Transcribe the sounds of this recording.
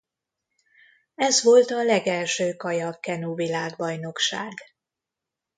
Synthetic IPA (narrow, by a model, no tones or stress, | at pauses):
ɛzʋo̞lt̪ɒlɛɡɛlʃøːkɒjɒkɛnuvilaːɡbɒjno̞kʃaːɡ